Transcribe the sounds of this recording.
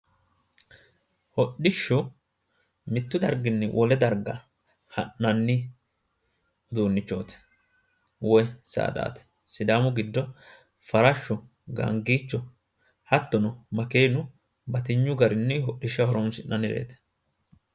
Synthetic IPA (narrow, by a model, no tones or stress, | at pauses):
hɔɗːɪʃːʊ | mɪt̪ːʊd̪ɐɾɡɪnːɛwʔɔlɛd̪ɐɾɡɐ | hɐʔːɐnːɪ | ɔd̪uːnːɪt͡ʃːo̞̰ːt̪ɛ̥ | wɔjsa̰ːd̪a̰ːt̪ɛ̥ | sɪd̪aːmʊɡɪd̪ːɔ | fɐɾɐʃːʊ | ɡɐ̰ŋɡiːt͡ʃːɔ | hɐt̪ːɔnɔmɐkeːnʊ | bɐt̪ɪɲːʊɡɐɾɪnːɛhɔʔːɪʃːɐhɔɾɔnsɪnːɐnɪɾḛːt̪ɛ̥